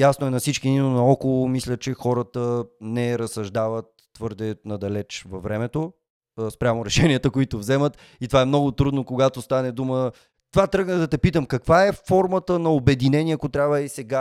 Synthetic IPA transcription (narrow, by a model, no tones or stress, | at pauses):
jasnoɛnɐfsit͡ʃkid̪inonɐɔkolˠomislʲət͡ʃɛxɔɾət̪ənɛɾəsɐʒd̪avət̪ːvɤɾd̪ɛnɐd̪ɐlɛt͡ʃvɐvɾɛmɛt̪o | spɾʲamoɾɛʃɛniət̪əkoit̪ovzɛmət̪ | it̪ovaɛmnɔɡʊt̪ɾud̪nokoɡat̪ost̪anɛd̪umə | t̪ovat̪ɾɤɡnəd̪ɐt̪ɛpit̪əmkɐkvaɛfɔɾmət̪ənɐobɛd̪inɛnʲiɛɐkot̪ɾʲabvəisɛɡa